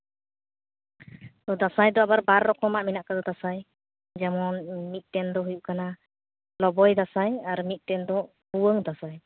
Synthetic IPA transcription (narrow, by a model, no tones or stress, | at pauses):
t̪ɔd̪asajd̪ɔabaɾbaɾːɔkʰɔmaʔminaʔkad̪ɔd̪asaj | d͡ʒamɔnmit̪̚ˀtɛnd̪ɔɦujuʔkana | lɔbɔjd̪asajaɾmit̪̚tɛnd̪ɔ | huwəŋd̪asaj